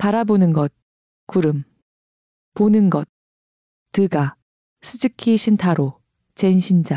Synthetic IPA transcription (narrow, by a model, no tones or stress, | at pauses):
paɾabonɯnɡʌt̚ | kuɾɯm | ponɯnɡʌt̚ː | ɯɡa | sʰɯd͡ʑɯkʰiɕʰintʰaɾo | t͡ɕenɕʰind͡ʑa